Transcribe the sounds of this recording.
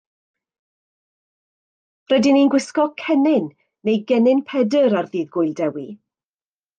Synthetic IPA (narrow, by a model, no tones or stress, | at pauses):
rədɪninɡwɪskɔkʰɛnɪnː | ejɡɛnɪnpʰɛdəɾarðiːðɡʊjlˠdɛwi